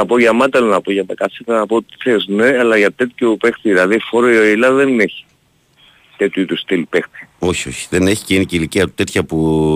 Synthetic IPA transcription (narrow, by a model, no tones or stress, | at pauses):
nɐpoʝɐmɐt̪elonɐpoʝɐt̪ɐkɐsit̪ɐnɐpot̪i̥θesneɐlɐʝɐt̪et̪çupext̪iðilɐðifoɾoioilɐðeneçi̥ | t̪et̪juit̪ust̪ilpext̪i̥o̞çio̞çi̥ðene̞çi̥ciniciliciɐt̪ːet̪çɐpu